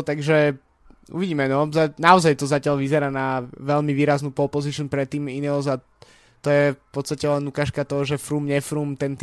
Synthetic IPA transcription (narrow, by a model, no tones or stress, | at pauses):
t̪aɡʒɛ | ṵʋiɟiːmɛnɔzanaɔzajt̪ɔzacɪalʋizɛɾaːnaʋɛʎmiʋiːɾaznuːpɔlpɔziʃnpɾɛt̪ːiːminilza | t̪ɔjɛfpɔt̪st̪acɛlɛnlukaːʃkat̪ɔɦɔʒɛfɾumɲɛfɾumt̪ɛnt̪